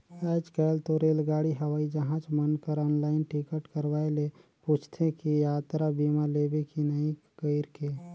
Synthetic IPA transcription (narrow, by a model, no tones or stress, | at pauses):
ɛːd͡ʒkɛːlt̪oɾeːlɡaːɽiɦəʋaːid͡ʒəɦãt͡ʃmənkəɾɔːnlaːɪnʈikəʈkəɾwaːeleput͡ʃʰt̪ʰekijaːt̪ɾabimaleːbekinəĩ | kəɪɾke